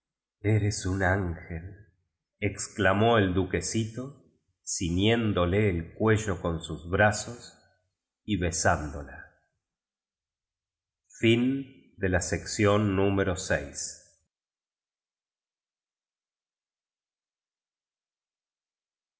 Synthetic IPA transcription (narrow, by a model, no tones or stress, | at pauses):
eɾesunaŋxel | eksklamo̞eld̪uke̞sit̪o̞ | sinjend̪o̞leːlkwe̞ʒo̞ko̞nsuzβɾaso̞s | iβe̞sand̪ola | fin | d̪elaseksjo̞nːũmeɾo̞sejs